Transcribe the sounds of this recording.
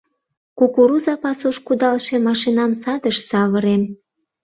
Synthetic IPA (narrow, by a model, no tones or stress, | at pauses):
kukuɾuzɑpɑsuʃkud̪ɑlʃemɑʃinɑmsɑd̪əʃsɑβəɾem